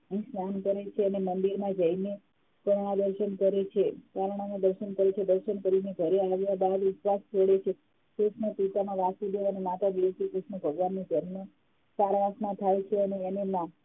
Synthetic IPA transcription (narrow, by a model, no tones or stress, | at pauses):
ĩsnankəɾet͡ʃʰeənemənd̪iɾmãd͡ʒəine | kəɳɽ̃ãd̪əɾʃənkəɾet͡ʃʰekaɾɳ̃anad̪əɾʃənkəɾet͡ʃʰed̪əɾʃənkəɾineɡʱəɾeaʋjabad̪utʋast͡ʃʰoɽet͡ʃʰe | kɾuʃnəpit̪anaʋasud̪eʋanemat̪aʋiot̪ikɾuʃɳəbʱəɡʋanːed͡ʒənmo | saɾʋãsnãt̪ʰajt͡ʃʰeəneːnemã